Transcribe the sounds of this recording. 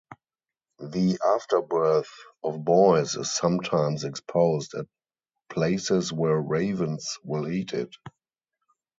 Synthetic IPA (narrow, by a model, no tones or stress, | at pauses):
ðiʔaftə˞bɜ˞θɔfbɔɪsɪ̰ssãmtʰãɪ̃msɛkspʰoʊzdæ̰t̚ | pʰleɪsɪswɛɹɹeɪvə̃nswɪliːtʰɪ̰t